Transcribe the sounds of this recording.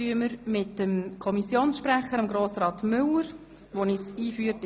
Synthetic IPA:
yəməɾmɪt̚dəmkʰɔmisjoːnsʃpræχəɾɑmɡɾoːsɾɑːt̪mʏləɾ | ʋonisiːfyːt

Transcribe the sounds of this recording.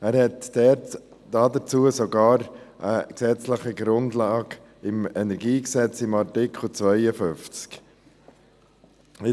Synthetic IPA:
æːɾhɛtd̥ɛt | d̥ɑdət͡suːəsɔɡɑːɾ | ʔəksɛt͡sləχəɡɾʊndlɑːɡ | ɪmɛnɛɾɡiːksɛt͡sɪmɑɾtɪkχl̩t͡svœɪəfʏft͡sk | ɪ

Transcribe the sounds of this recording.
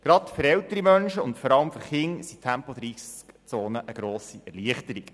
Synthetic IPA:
ɡ̥ɾɑtfʏɾɛlt̪əɾimœnʃəʊntfɔɾɑləmføɾχɪŋsitʰæmpod̪ɾiskt͡soːnəʔəɡ̥ɾoːsiʔɛrliəχt̪əɾik

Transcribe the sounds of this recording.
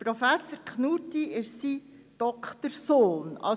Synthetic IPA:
pɾofæsəɾkʰχnutiɪʃsid̥ɔkχt̪əɾsoːnɑ̰

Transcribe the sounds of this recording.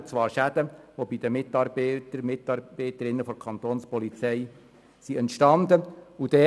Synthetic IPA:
t͡sʋɑːɾʃæd̪̥əʋobid̪əmɪt̪ɑːɾbɛtəɾmɪtɑɾb̥ɛɪtəɾɪnːəfɔɾkʰɑnt̪oːnspɔlit͡sɛj | siɛntʃtɑnd̪əud̥̪ɛː

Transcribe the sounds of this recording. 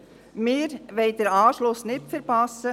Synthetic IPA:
mɪːɾʋɛɪd̥̪əɾɑːʃlʊsnɪtfəɾpɑsə

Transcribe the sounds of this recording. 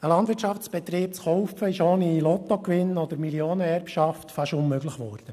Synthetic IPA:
əlɑnd̪ʋɪɾtt͡ʃɑft͡sb̥ɛt̪ɾiːp̚t͡sχɔʊfəɪʃoːnilɔt̪ɔkʋɪnɔd̪əɾmilioːnəɛrpʃɑft̪fɑʃʊnmøɡləχʋɔ̰ːɾd̥ə

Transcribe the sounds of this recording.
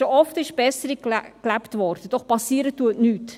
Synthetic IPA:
ʃoʔɔftɪʃb̥ɛsəɾikklæpt̪ʋɔɾd̥əd̥ɔχpɑsiəɾətːuətnyːt

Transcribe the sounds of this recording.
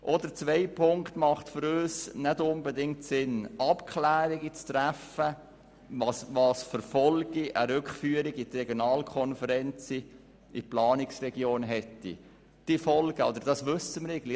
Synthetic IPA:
ʔɔd̪əɾt͡sʋɛɪpʰʊŋkt̪mɑχtfʏɾøːsnɛdʊnbɛdɪŋtsɪnʔɑpkʰlæːɾiɡit͡st̪ɾæfə | vɑsvɑːsfəɾfɔlɡ̥iʔəɾʏkχfyːəɾiɡit̪ɾɛɡjonɑːlkʰɔnfəɾɛnt͡si | iplɑːniksrɛɡjoːnɦɛtːḭ | d̥ifɔlɡəo̰d̥̪əɾd̥ɑsʋɵsəməɾɛɪɡəl

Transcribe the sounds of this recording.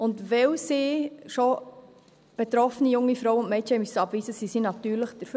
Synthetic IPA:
ʊndʋɛwsiːʃo | b̥et̪ɾɔfənijʊŋːifɾoʊʊntmɛɪtɛmysəɑbviːzəsisinɑt̪yːɾləχd̥əɾfø

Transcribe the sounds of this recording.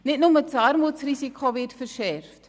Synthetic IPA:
nɛtnɔmətsarmɔtsrisikʰɑviərtfərʃærft

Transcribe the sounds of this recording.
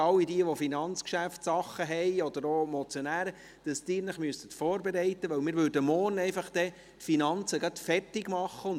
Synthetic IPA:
ɑwidiəʋɔfinɑnt͡skʃæftsɑχəɦɛjɔd̥̪əɾoːmɔt͡sjɔnæːɾə | d̥ɑsd̥̪ɪːɾnəχmyəsət̪fɔːɾbɛɾɛɪt̪əʋœwmɪːɾʋøɾdəmɔːrnɛɪfɑχd̥̪ɛ | tfinɑnt͡səɡɑt̪fɛrtɪɡmɑχːəʊn

